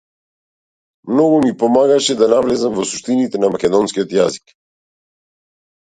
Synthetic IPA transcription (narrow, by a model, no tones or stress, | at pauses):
mnɔɡumipɔmaɡaʃɛd̪anavlɛzamvɔsu̥ʃt̪init̪ɛnamakʲɛd̪ɔnskiɔt̪jazi̥k